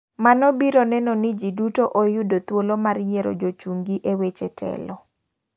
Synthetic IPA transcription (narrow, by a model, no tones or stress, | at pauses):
manɔbiɾonɛnɔnɪd͡ʒidutoʔojudot̪wolomarjeɾo̰d͡ʒot͡ʃuŋɡiʔewet͡ʃɛtʰɛ̰lɔ